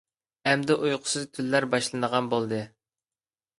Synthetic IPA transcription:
ɛmd̪ɛʔujqʰʊ̥sɨzt̪ʰylːæɾbɑʃlˠɨnəʁɑnbolˠd̪ɨ

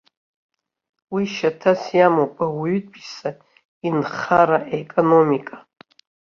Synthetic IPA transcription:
wiʃatʰasjamopʼawɥyt̚ʼbʰʼisa | inχaɾaʔekʼonomikʼa

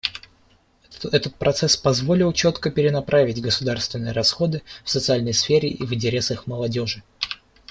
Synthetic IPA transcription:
ɛt̪ət̪̚pɾɐt̪sɛspɐzvo̞lʲɪlˠt͡ɕo̞t̪kəpʲɪɾʲɪnɐpɾʔavʲɪtʲɡəsʊd̪arst̪vʲɪnːɨjɾɐsxo̞d̪ɨfsət̪sɨalʲnəjsfʲeɾʲɪʔivɨnʲtʲɪɾʲe̞səxməlˠɐdʲo̞ʐɨ

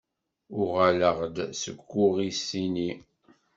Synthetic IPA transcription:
ʊʁæləʁd̪səɡʷːʊʁisini

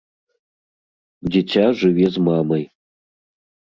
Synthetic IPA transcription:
ditʰaʐʷɨɥezmaːmɐj

